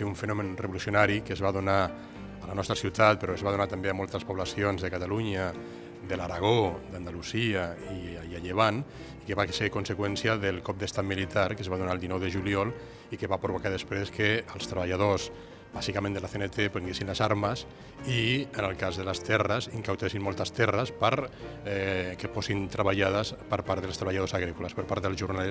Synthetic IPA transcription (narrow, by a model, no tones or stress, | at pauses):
euɱfənɔmənrəβolusiunaɾikəzβaðuna | ələnɔst̪ɾəsiwt̪at̪̚peɾɔezβaðunat̪ambeamɔlˠt̪əspuβlasionzðəkat̪aluɲə | d̪əlaɾaɣ̞od̪and̪aluziəiiaʎeβ̞an | ikəβasekunsəkwɛnsiəðəlˠkɔp̚d̪əst̪at̪milit̪aɾkəzβaðunaəlˠd̪inɔwðəʒuliɔlˠ | ikeβapɾoβokaðespɾeskeəlˠst̪ɾəβaʎað̞os | b̥azikamẽnd̪əlaθenet̪epenɡjesinləzaɾməs | iənəlˠkazðələst̪ɛrəsiŋkawt̪esinmɔlˠt̪əst̪ɛrəspɾ | kefosint̪ɾəβaʎaðəspəɾpaɾt̪ðəlˠst̪ɾəβaʎaðosaɣɾikulaspəɾpaɾt̪ðəlzʒurnale